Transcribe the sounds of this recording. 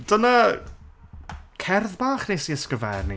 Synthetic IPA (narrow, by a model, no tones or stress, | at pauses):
d̥əna | kʰɛrðbaːχnejsiəskəvɛrni